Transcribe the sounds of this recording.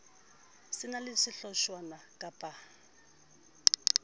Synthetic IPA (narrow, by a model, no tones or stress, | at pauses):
sɪnalɪʂɪɬɔʃwanakʼapʼa